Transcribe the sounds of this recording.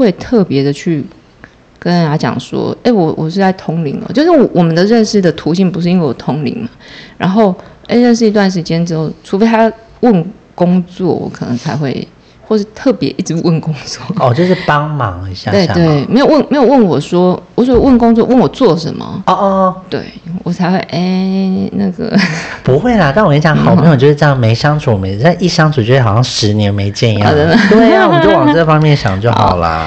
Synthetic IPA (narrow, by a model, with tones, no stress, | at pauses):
we˥˧ɪt̪ʰɤ˥˩pjɛ˧˦d̪ə˨t͡ɕʰy˥˩ | kə˦n˦a˥t͡ɕjɑ̰˨˩ŋʂwɔ̰˦˥e˥˩ɪwɔ˨˦wʔɔ˨˩ʂɻ̩˥˧a˥˩ɪt̪ʰo˥ŋlḭ˧˥ŋə̰˨˦t͡ɕjo˥˧ʊʂ̬ɻ̩˥˩wɔ˨˩wɔ˨˩mə˨˦nd̪ə˨ɻə˥˧nʂɻ̩˥˩d̪ə˩t̪ʰu˧˥ɕi˥˩ŋpu˧˥ʂɻ̩˥˩i˥ŋwe˥˩ɪwɔ˨˩t̪ʰʊ˥ŋlḭ˧˥ŋma˨ɻa̰˧˥nxo˥˩ʊe˥˧ɪɻə˥˧nʂɻ̩˥˩i˧t̪̬wa˥˩nʂ̬ɻ̩˧˥t͡ɕjɛ˥nʈ͡ʂɻ̩˥xo˥˩ʊʈ͡ʂʰu˧˥fe˥ɪt̪ʰa˥ | wə˥˩n | kʊ˥ŋt͡swɔ̰˥˩wɔ̰˨˩kʰɤ˨˩nɤ̰˧˦ŋt͡sʰa˧˥ɪxwe˥˩ɪ | xwɔ˥˧ʂ̬ɻ̩˥˧t̪ʰɤ˥˩pjɛ̰˧˦ʔi˥˩ʈ͡ʂɻ̩˧˥wə˥˩nkʊ˥ŋt͡swɔ˥˩ɔ˨t͡ɕjo˥˧ʊʂɻ̩˥˩pɑ˦ŋmɑ˧˦ŋi˧˦˥ɕja˥˧we˥˧˩ɪ˨t̪we˥˩ɪme˧˥jo˨˩ʊwə˥˩nm˧˥jo˨˩wə˥˩nwɔ˨˩ʂwɔ˥wɔ˨˩sɔ˨˩wwə˥˩nkʊ˥ŋt͡swɔ˥˧˩wə˥˩nwɔ˨˩t͡swɔ˥˩ʂə̰˧˦nmə̰˧ɔ˧t̪wḛ˥˩ɪwɔ˨˩t͡sʰa˧˥ɪxwe˥˩ɪʔe˥˩na˥˩ɡə̰˩pu˧˥xwe˥˩ɪlə˨˩t̪ŋwɔ˨˩jɛ˧˥ɕjɑ˧˦ŋxɑ˨˩ʊm˧˥˨t͡ɕo˥˧ʊʂɻ̩˥ʈ͡ʂjme˧˥ɪʂɑ˥ŋt͡sʰu˨˥ɔ˨˩m˧˥˩ʂi˥˩ʂɑ˥ŋt͡sʰu˨˩t͡ɕo˥˧ʂe˥˩xɑ˨˩ɕjɑ˥˩ŋʂɻ̩˧˥njɛ˧˥nme˧˥ɪt͡ɕjɛ˥˧n˧jɑ˥˧˩ə˥˧˩t̪we˥˩a˥˩wɔ˨ə˨t͡ɕjo˥˩ʊwɑ˨˩ʈ͡ʂə˥˩fɑ˥ŋmjɛ˥˨nɕjɑ̰˨˩ŋ˩t͡ɕjo˥˩xɑ̰˨˩ʊlə̰˦